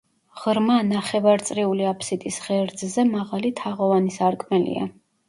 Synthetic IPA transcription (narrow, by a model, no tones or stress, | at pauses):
ʁɾmanaχɛvaɾt̪sʼɾiuliapʰsit̪ʼisʁɛɾd̪zzɛmaʁalit̪ʰaʁɔvanisaɾkʼmɛlḭa̰